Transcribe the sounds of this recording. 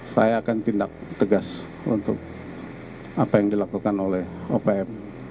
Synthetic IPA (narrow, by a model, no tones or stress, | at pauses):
sa̰jaːkant̪indak̚t̪əɡas | unt̪ʊ̰k̚ | apajaŋdilakukanolɛhopeɛm